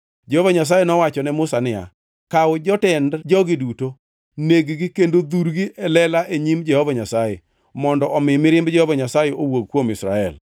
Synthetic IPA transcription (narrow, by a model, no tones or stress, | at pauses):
d͡ʒɛhovaɲas̬ajenɔwat͡ʃɔnɛmʊsanɪa̰ | kawʊd͡ʒɔtɛndd͡ʒɔɡɪduto | neɡɡɪkendod̪uɾɡiʔɛlɛlaʔeɲimd͡ʒɛhovaɲasaje | mɔndɔʔɔmɪmɪɾɪmbd͡ʒɛhovaɲasajeowoɡkːwomɪsɾa̰ɛl